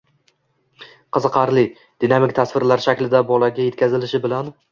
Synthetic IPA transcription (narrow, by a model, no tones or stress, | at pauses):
qʰɨzɨqʰɑɾlɪ | d̪̥inamɪkʲt̪ʰasvɪɾlaɾʃakʲlɪd̪abɒlˠaɡʲaje̞t̪̚kʲʰazɪlɪʃɪbɪlan